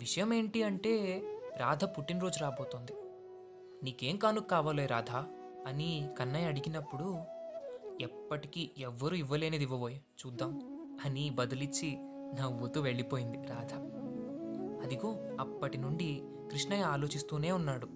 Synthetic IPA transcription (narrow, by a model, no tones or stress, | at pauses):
ʋiʂɐjɐme̞ːɳʈiɐɳʈe̞ːɾaːd̪ʱɐpuʈːinɾo̞ːd͡ʒuɾaːboːt̪ond̪i | niːke̞ːmkaːnukkːaːʋaːlejɾaːd̪ʱa | ɐnikɐnːɐjɐɽiɡinɐpːuɽu | ɛpːɐʈikiʔɛʋːɐɾuiʋːɐle̞ːned̪iʋːɐʋoːj | t͡ʃuːd̪ːaːm | ɐnibɐd̪ɐlit͡ʃːi | nɐʋːɐt̪uʋe̞ɭːipo̞ːjind̪iɾaːd̪ʱɐ | ɐd̪iɡo̞ːɐpːɐʈinuɳɖi | kɾiʂɳɐjɐaːlo̞ːt͡ʃist̪uːne̞ːunːaːɽu